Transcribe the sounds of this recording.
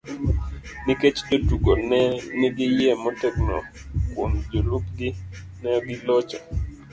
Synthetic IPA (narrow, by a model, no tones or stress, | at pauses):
niket͡ʃdotuɡonɛnɪɡɪjɛmɔtɛknɔ̰ | komd͡ʒolukɡɪ | nɛɡɪlɔt͡ʃa